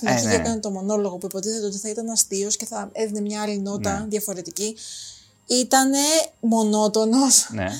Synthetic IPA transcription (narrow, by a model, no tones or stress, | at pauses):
inɐçiekɐnet̪o̞mo̞no̞lo̞ɣo̞puepo̞t̪iset̪eot̪i̥θɐit̪ɐnɐst̪io̞sce̞θɐeðinemɲɐɐlino̞t̪ɐðjɐfo̞ɾe̞t̪ici | it̪ɐne̞mo̞no̞t̪o̞no̞s